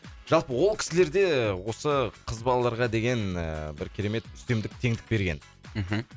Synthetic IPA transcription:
ʒ̥ɑlˠpəwolˠkʲʰɪ̥sɪle̞ɾd̪e̞wo̞səqʰəzbɑlˠɑlˠɑɾʁɑd̪e̞ɡʲe̞nə̰bɪɾkʲʰeɾe̞me̞t̪ʏst̪e̞md̪ɪk̚t̪ʰe̞ŋd̪ɪk̚be̞ɾɡʲe̞n̩ | ɦ̩

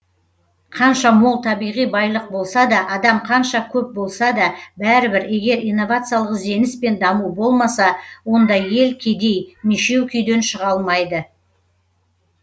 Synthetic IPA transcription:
qʰɑnʃɑmo̞lˠt̪ʰɑbijʁijbɑjlˠəq̚bo̞lˠsɑd̪ɑʔɑd̪ɑmqʰɑnʃɑkʲʰɵp̚bo̞lˠsɑd̪ɑbæɾɪbɪɾe̞ɡʲe̞ɾijnːo̞vat̪sɨjalˠəqze̞nɪspe̞nd̪ɑmubo̞lˠmɑsɑwo̞nd̪ɑe̞lkʲʰe̞d̪e̞jmiʃe̞wkʲʰʏjd̪e̞nʃəʁɑlˠmɑjd̪ə

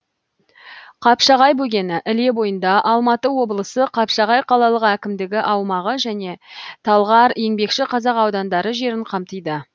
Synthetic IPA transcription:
qʰɑpʃɑʁɑjbɵɡʲe̞nɪʔɪle̞bo̞jənd̪ɑʔɑlˠmɑt̪əwo̞bəlˠəsəqʰɑpʃɑʁɑjqʰɑlˠɑlˠəqækʲɪmd̪ɪɡʲɪʔɑwmɑʁəʒæne̞t̪ʰɑlˠʁɑɾe̞ŋbe̞kʃɪqʰɑzɑqɑwd̪ɑnd̪ɑɾəʒe̞ɾɪɴqʰɑmt̪əjd̪ə

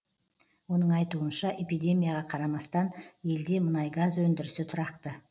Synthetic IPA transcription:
wo̞nəɴɑjt̪uənʃɑʔe̞pijd̪ʲe̞mʲijaʁɑqʰɑɾɑmɑst̪ɑnje̞ld̪e̞mənɑjɡazwɵnd̪ɪɾɪsɪt̪ʰʊɾɑqt̪ə

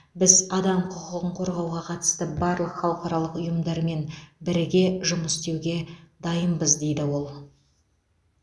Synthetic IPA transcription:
bɪzɑd̪ɑmqʰʊqəʁəɴqʰo̞ɾʁɑwʁɑqʰɑt̪ə̥st̪əbɑɾlˠəqχɑwˠqɑɾɑlˠəqʊjəmd̪ɑɾme̞nbɪɾɪɡʲe̞ʒʊməst̪e̞wɡʲe̞d̪ɑjəmbəzd̪e̞jd̪ɪwo̞lˠ

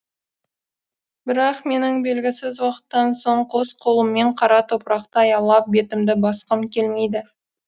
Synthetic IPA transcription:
bɪɾɑqme̞nɪŋbe̞lɡʲɪsɪzwɑqə̥t̪ːɑnso̞ɴqʰo̞sqʰo̞lˠəmːe̞ɴqʰɑɾɑt̪ʰo̞pɾɑqt̪əɑjɑlˠːɑp̚be̞t̪ɪmd̪ɪbɑsqəmkʲʰe̞lme̞jd̪ɪ

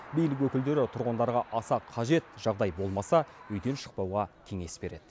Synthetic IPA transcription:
bijlɪk̬wɵkʲɪld̪e̞ɾɪt̪ʰʊɾʁənd̪ɑɾʁɑʔɑsɑqʰɑʒe̞t̪ʒ̥ɑʁd̪ɑjbo̞lˠmɑsɑɵjd̪e̞nʃə̥q̚pɑwʁɑkʲʰe̞ŋe̞sbe̞ɾe̞d̪̥ɪ

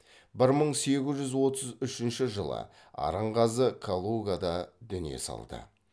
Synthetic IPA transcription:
bɪɾməɴse̞ɡʲɪzʒʏzwo̞t̪əzʏʃɪnʃɪʒəlˠə̰ | ɑ̰ɾəɴqɑzəkʰolˠuɡad̪ɑd̪ʏnije̞̰sɑ̰lˠd̪ə̰

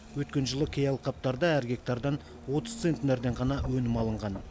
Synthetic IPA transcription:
wɵt̪kʲe̞nʒəlˠəkʲʰejɑlˠqʰɑp̚t̪ɑɾd̪ɑæɾɡʲe̞k̚t̪ɑɾd̪ɑn | wo̞t̪əz̥t̪se̞nt̪ɪneɾd̪e̞ɴʁɑnɑwɵnɪmɑlˠəɴʁɑn

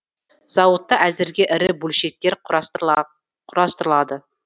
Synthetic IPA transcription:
z̥ɑwət̪ːɑʔæzɪɾɡʲe̞ʔɪɾɪbɵlʃe̞k̚t̪e̞ɾ | qʰʊɾɑst̪əɾəlˠɑd̪ə

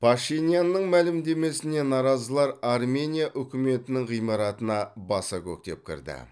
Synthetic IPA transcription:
pʰaʃijnʲijanːəɴmælɪmd̪e̞me̞sɪne̞nɑɾɑzəlˠɑɾɑrmʲe̞nʲijaʔʏkʲɪme̞t̪ɪnɪŋʁijmɑɾɑt̪ənɑbɑsɑkʲʰɵ̰k̚t̪e̞̰p̚kʲʰɪ̰ɾd̪ɪ̰

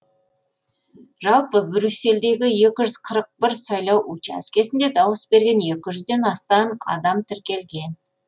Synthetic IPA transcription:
ʒɑlˠpəbɾʲysːe̞ld̪e̞ɡʲɪje̞kʲɪʒʏz̥qʰəɾəq̚bɪɾsɑjlˠɑwʔut͡ʃæ̰skʲe̞sɪnd̪e̞d̪ɑwəsbe̞ɾɡʲe̞nje̞kʲɪʒʏzd̪e̞nɑst̪ɑnɑ̰d̪ɑmt̪ʰɪɾkʲe̞lɡʲe̞n

